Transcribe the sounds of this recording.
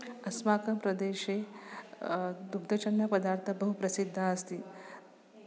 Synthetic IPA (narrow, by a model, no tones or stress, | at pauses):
ɐsmaːkɐmpɾɐd̪eːʃeː | d̪uɡd̪ɐt͡ʃɐnːɐpɐd̪aːɾt̪ʰɐbɐɦupɾɐsid̪ʱːaɐst̪i